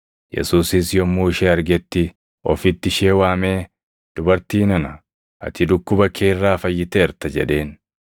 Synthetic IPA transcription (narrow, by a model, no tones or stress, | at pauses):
jɛ̰suːsɪsjɔmːuːɪʃɛːɐɾɡɛt̪ːɪ | ɔ̰fɪt̪ːɪʃeːwaːme̞ː | d̪̥ʊbɐɾt̪iːnɐnɐ | ʔɐ̰t̪ɪd̪ʊkːʊbɐkʰeːrːaːfɐjːɪt̪eɛɾt̪ɐd͡ʒɛ̰ᶑe̞ːn